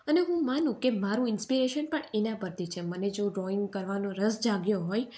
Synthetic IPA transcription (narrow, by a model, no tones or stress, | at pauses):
əneɦũmanũkemaɾũɪnspiɾeʃənpəɳenapəɾt̪it͡ʃʰeməned͡ʒoɖɾɔɪ̃ŋɡkəɾʋanõɾəsd͡ʒaɡjoɦoj